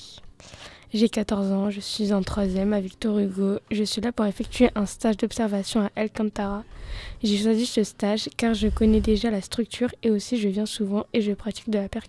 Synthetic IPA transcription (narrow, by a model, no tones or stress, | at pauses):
ʒekat̪ɔʁzɑ̃ʒəsɥizɛ̃t̪χwazjɛmavikt̪ɔʁyɡoʒəsɥilapuʁefɛk̚t̪ʰyeʔɛ̃st̪aʒd̪ɔpsɛʁvasjɔ̃aʔɛlkɑ̃t̪aʁaʒɛʃwazisəst̪aʒkaʁʒəkɔnɛd̪eʒalast̪χyk̚t̪ʰyʁeosiʒəvjɛ̃suvɑ̃eʒəpχat̪i̥k̚d̪əlapɛʁk